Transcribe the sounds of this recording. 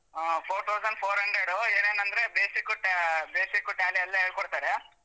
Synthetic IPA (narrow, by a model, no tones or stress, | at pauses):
pʰoːɾt̪ʰɐwsɐɳɖpʰoːɾɦɐɳɖɾeɖueːneːnɐnd̪ɐɾebeːsikːuʈbeːsikːuʈaːliɐlːiɐːɽkɔɽt̪aːɾe